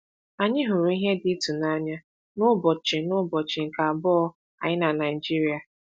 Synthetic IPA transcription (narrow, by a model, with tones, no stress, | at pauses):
a˨ɲɪ˦ɦʊ˨ɾu˨i˦ɦe˦dɪ˦tu˨na˦ɲa˦ | nʊ˦bɔ˨t͡ʃɪ˨nʊ˦bɔ˨t͡ʃɪ˨ŋ̩˨ka˨bɔ˦ɔ˦ | a̰˨ɲɪ˦na˨na˨ɪ˨d͡ʒi˦ɾi˨˦a˨